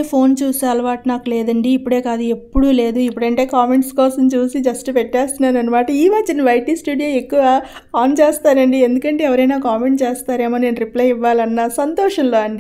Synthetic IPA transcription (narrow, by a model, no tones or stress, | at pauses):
pʰo̞ːnt͡ʃuːsaːlɐʋaːʈnaːkuleːd̪ɐɳɖiːpːuɽe̞ːkaːd̪ue̞pːuɽuːle̞ːd̪uipːuɽɐɳʈe̞ːkaːme̞ɳʈskɔːsɐmt͡ʃuːsid͡ʒɐsʈupɛʈːeːst̪unːaːnɐnːɐmaːʈɐiːʋat͡ʃɐnɐʋɐjʈiːsʈuːɽijoːekːuʋa | aːnt͡ʃeːst̪aːɾɐɳɖie̞nd̪ukɐɳʈe̞ːɛʋɐɾɐjnaːkaːme̞ɳʈt͡ʃeːst̪aːɾe̞ːmoːne̞ːnɾiplɐjiʋːaːlɐnːɐsɐnt̪ɔːʂɐnloːɐɳɖi